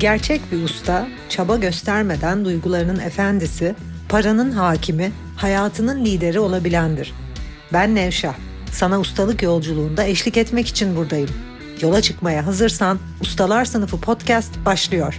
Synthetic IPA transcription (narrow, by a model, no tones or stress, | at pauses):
ɟæɾt͡ʃʰɛcbiust̪ʰa | t͡ʃʰabaɟø̞st̪ʰæɾme̞d̪ænd̪ujɡulˠaɾɯnɯnefænd̪isi | pʰaɾanɯnɦaːcʰimɪ | hajaːt̪ʰɯnɯnlʲiːd̪e̞ɾio̞lˠabilʲænd̪iɾ̥ | bænːɛvʃah | sanaust̪ʰalˠɯkjo̞lˠd͡ʒulˠuːnd̪aɛʃlʲicɛt̪mɛci̥t͡ʃʰinbuɾd̪ajɯm | jo̞lˠat͡ʃʰɯkmajaɦazɯɾsan | ust̪ʰalˠaɾsɯnɯfɯpʰo̞t̪cʰɛst̪baʃlˠɯjo̞ɾ̥